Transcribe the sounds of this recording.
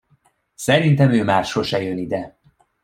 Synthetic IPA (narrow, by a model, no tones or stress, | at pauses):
sɛɾint̪ɛmøːmaːʃhoʃɛjønid̪ɛ